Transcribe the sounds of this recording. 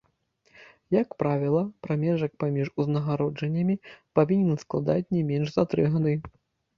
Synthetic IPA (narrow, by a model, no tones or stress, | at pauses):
jɐkpɾavʲɛlˠɐpɾamʲɛʐɐk̚pamʲiʐuznɐɣaɾɔd͡ʐɐnʲːɐmʲipavʲinʲɛnsklˠad̪at͡sʲnʲɛmʲɛnʐzat̪ɾɨɣad̪ɨ